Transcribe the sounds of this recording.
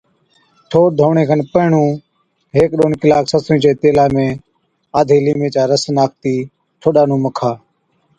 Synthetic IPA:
ʈʰoːɾ̚d̪ʱoːɳeːkʰənpəɪɳũː | ɦeːkɗoːnkɪlaːksəsuĩːt͡ʃeːt̪eːlaːmẽː | aːd̪ʱeːliːmẽːt͡ʃaːɾəsnaːk̚t̪iː | ʈʰoːɗaːnũːməkʰaː

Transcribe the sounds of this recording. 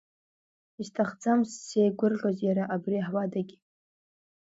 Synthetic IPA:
istʰaχd͡zamssejɡʷʊrʁʲazjaɾaʔabriħwadaɡʲi

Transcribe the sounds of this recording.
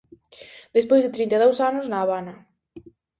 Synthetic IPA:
d̪̥espojzðet̪ɾint̪eðowsanʊznaːβanɐ

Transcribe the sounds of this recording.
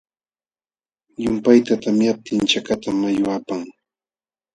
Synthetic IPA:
jʊmpajt̪at̪amjap̚t̪ɪnt͡ʃakat̪amajʊapaŋ

